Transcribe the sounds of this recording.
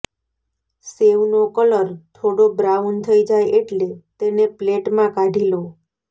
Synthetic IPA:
seʋnokələɾt̪ʰoɽobɾawnt̪ʰəid͡ʒajeʈlet̪enepleʈmãkaɖʱilo

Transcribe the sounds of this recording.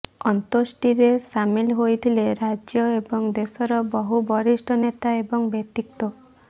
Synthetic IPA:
ɔnt̪osʈiɾesamilɦojt̪ʰileɾad͡ʒjɔebɔŋd̪esɔɾɔbɔɦubɔɾisʈʰɔnet̪aebɔŋbet̪ik̚t̪ɔ

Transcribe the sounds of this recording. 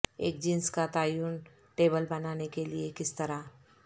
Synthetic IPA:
ḛːk̚d͡ʒɪ̃nskat̪aːjuːn | ʈeːbəlbɐnaːnekeliekɪst̪ɐɾa

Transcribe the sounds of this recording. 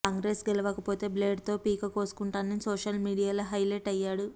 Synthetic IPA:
kaːŋɡɾeːsɡɛlɐʋɐkɐpo̞ːt̪e̞ːbleːɖt̪o̞ːpiːkɐkoːsu̥kuɳʈaːnɐnsoːʂɐlmiːɽijaːloːɦɐjleʈɐjːaːɽu

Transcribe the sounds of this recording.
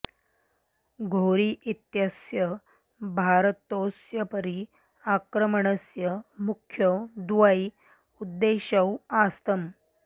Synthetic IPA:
ɡʱoɾiːʔit̪jəsjə | bʱaɾt̪osjəpəɾi | akɾəməɳ̃əsjəmukʰjəd̪ʋai | ud̪ːeɕəwast̪əm

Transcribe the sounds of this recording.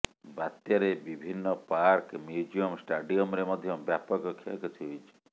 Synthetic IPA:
bat̪jɔɾebibʱinːɔpaɾkmjud͡ʒijɔmsʈaɖiɔmɾemɔd̪ʱjɔbjapɔkɔkʰːiakɔt̪ʰiojt͡ʃʰi̥

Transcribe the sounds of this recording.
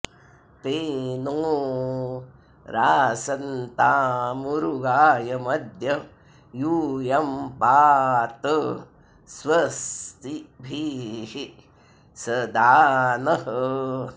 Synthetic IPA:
t̪eːnoː | ɾaːsɐnt̪aːmuɾuɡaːjɐmɐd̪ʱjɐ | juːjɐmpaːt̪ɐ | sʋɐst̪ibʱiɦi | sɐd̪aːnɐɦɐ

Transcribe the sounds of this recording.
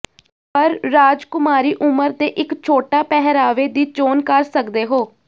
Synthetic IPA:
pəɾːaːd͡ʒkʊmaːɾiːʔʊməɾt̪eːʔɪkt͡ʃʰoːʈaːpɛɦɾaːʋeːd̪iːt͡ʃoːnkəɾsəkd̪eːɦoː

